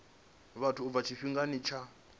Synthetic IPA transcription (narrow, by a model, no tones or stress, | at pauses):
βatʰuːvat͡ʃʰiɸiŋɡanit͡ʃʰa